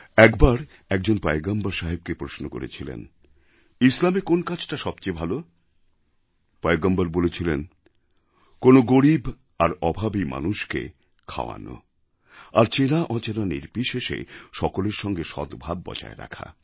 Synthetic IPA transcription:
ɛkbaɾ | ɛk̚d͡ʑonpaeɡambaɾʃaɦib̚kepɾosnoko̰ɾḛt͡ɕʰilḛn | islamekonkat͡ɕʰʈaʃɔbt͡ɕebʱalo | paeɡambaɾbolet͡ɕʰilen | konoɡoɾib | aɾɔbʱabima̰nuʃkḛ | kʰa̰oa̰no̰ | aɾt͡ɕenaʔɔt͡ɕananḭɾpiʃeʃḛʃɔkoleɾʃɔŋɡeʃɔ̰d̪bʱab̚ːɔ̰t͡ɕa̰ḛɾa̰kʰa̰

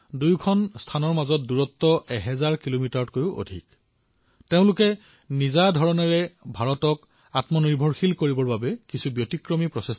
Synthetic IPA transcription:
dujkʰɔnstʰanɔɹmazɔt̚duɹɔtːɔʔɛɦɛzaɹkilomitaɹɔtkojʊʔo̰dʱḭk | teʊ̃lʊkɛ | nizadʱɔɹɔnɛɹɛbʱaɹɔtɔk | atmɔniɹbʱɔɹxilkoɹibɔɹbabɛkisubjotikɹɔmipɹɔses

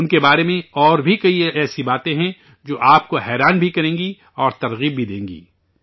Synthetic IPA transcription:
ʊnkebaːɾemẽɔːɾbʱikɐiɛːsibaːt̪ẽɦɛ̃ | d͡ʒoːʔaːp̚koɦɛːɾaːnbʱikɐɾẽːŋɡi | ɔːɾt̪ɐɾɣiːb̚bʱid̪ḛ̃ːŋɡḭː

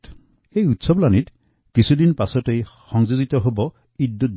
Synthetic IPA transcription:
ejut̪sɔblanit | kisʰud̪inpasɔtejxɔŋd͡ʒuzit̪ɔɦobɔ | id̪ːut̪̚

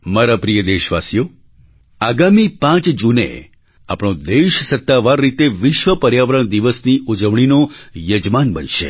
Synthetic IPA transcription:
maɾapɾijəd̪eʃʋasjo | aɡamipãt͡ʃd͡ʒunḛ | a̰pɽ̃õd̪eʃsət̪ːaʋaɾːit̪eʋɪʃʋəpəɾjaʋəɾəɳ̃d̪iʋəsniud͡ʒəʋɳ̃inojəd͡ʒmanbə̰nʃḛ

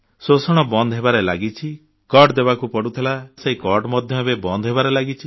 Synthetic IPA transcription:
sosɔɽ̃ɔbɔnd̪ɔɦebaɾelaɡit͡ʃʰi | kɔɖd̪ebakupɔɽut̪ʰilaseĩkɔɾɖmɔd̪ʱjɔɦebebɔnd̪ɔɦebaɾelaɡit͡ʃʰi

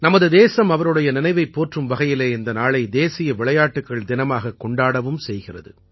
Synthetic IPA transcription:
nɐmɐðɯd̪eːsɐmɐʋɐɾɯɽɐjɐnɪnɐɪʋɐɪpːoːʈrɯmʋɐɣɐjɪleːɪnd̪ɐnaːɭɐɪd̪eːsɪjɐʋɪɭɐjaːʈːɯkːɐɭd̪ɪnɐmaːɣɐkːɔɳɖaːɽɐʋɯmsɛjɣɪrɐ̰ðɯ̰

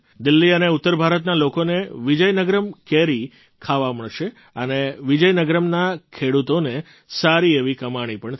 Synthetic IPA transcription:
d̪ɪlːiəneut̪ːəɾbʱaɾət̪nalokoneʋid͡ʒəjnəɡɾəmkeɾi | kʰaʋaməɭʃe | əneʋid͡ʒəjnəɡɾəmnakʰeɽut̪one | saɾieʋikəmaɽ̃ipəɳt̪

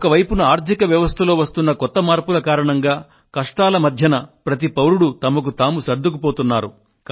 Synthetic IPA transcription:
ɔkɐʋɐjpunuaːɾt̪ikɐʋjɐʋɐst̪ʰɐlo̞ːʋɐst̪unːɐkɔt̪ːɐmaːɾpulɐkaːɾɐɳɐŋɡaː | kɐʂʈaːlɐmɐd̪ʱjɐnɐpɾɐt̪̬ipɐwɾuɽut̪ɐmɐk̬ut̪aːmusɐɾd̪ʱukupoːt̪unːaːɾu | k

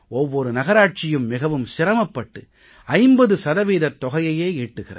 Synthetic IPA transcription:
ɔʋːɔɾɯnɐɣɐɾaːʈ̚t͡ʃɪjɯmːɪɣɐʋɯmsɪɾɐmɐpːɐʈːɯ | ɐɪmbɐðɯsɐðɐʋiːðɐt̪ɔɣɐjɐjeːiːʈːɯɣɪrɐ̰

